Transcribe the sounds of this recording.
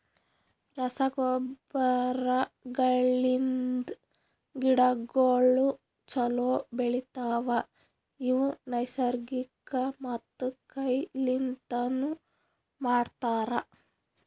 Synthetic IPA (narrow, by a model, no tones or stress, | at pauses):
ɾɐsɐɡɔbɐɾɐɡɐɭːind̪ | ɡiɽɐɡoːɭu | t͡ʃɐloːbeɭit̪aːʋɐ | iʋunɐjsɐɾɡikɐmɐt̪ːukɐjlint̪ɐnu | maːɽt̪aːɾɐ